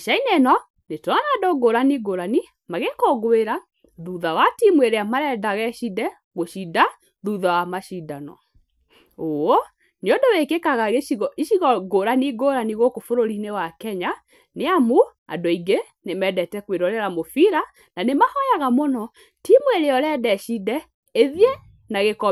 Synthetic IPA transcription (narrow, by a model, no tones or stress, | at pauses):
ʃainenɔ | netɔanadoɡoɾaniɡoɾani | maɣekɔɣweɾa | ðuðawatimweɾeamaɾɛdaɣɛʃidɛ | ɣoʃida | ðuðawamaʃidanɔ̰ | oɔ | neɔdowekekaɣaɣeiɣɔiʃiɣɔɡoɾaniɡoːɾaniɣokofoɾoɾinewakɛɲa | neamoa̰doiɡe | nemɛdɛtɛkweɾɔɾɛɾamofiɾa | nanemahɔjaɣamonɔ | timweɾeɔɾɛdɛʃidɛ | eðje | naɣekɔ